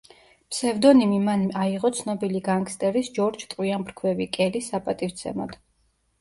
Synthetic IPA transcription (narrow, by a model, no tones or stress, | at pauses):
psɛvd̪ɔnimimanmaiʁɔt̪sʰnɔbiliɡaŋkst̪ʼɛɾisd͡ʒɔɾd͡ʒt̪ʼwiambɾkʰwɛvikʼɛlisapʼat̪ʼift̪sʰɛ̰mɔ̰d̪̥